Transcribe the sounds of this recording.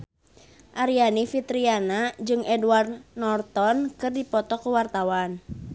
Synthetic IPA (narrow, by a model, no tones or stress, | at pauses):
ʔaɾianifit̪ɾianad͡ʒɨŋɛduward̪̚nɔrt̪ɔnkɨrdipɔt̪ɔkuwart̪awan